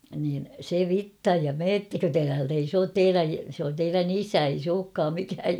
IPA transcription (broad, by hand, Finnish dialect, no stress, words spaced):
niːn se ʋitːɑj jɑ meːtːækø te tæːlt ei s oːt teiræj sĕ on teiræn isæ ei s oːkːɑːm mikæːj